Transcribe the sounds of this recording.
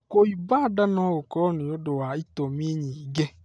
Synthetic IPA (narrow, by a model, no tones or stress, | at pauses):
koibadanɔ̃wokɔnĩodowaitɔmĩɲĩiɡɛ